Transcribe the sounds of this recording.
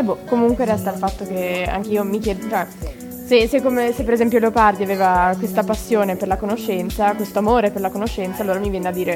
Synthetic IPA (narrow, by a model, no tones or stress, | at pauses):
ɛbɔkomuŋkweɾɛst̪alfat̪ːok̟ea̰ŋk̟eiːomikjɛːd̪t͡ʃɛ | sesekːomesepːeɾezɛmpjoleopard̪iaveːvakwest̪apasːjoːneperlakonoʃːɛnt̪sakwest̪oamoːɾeperlakonoʃːɛnt̪saːlːoːɾamivjɛːnead̪ːiːɾe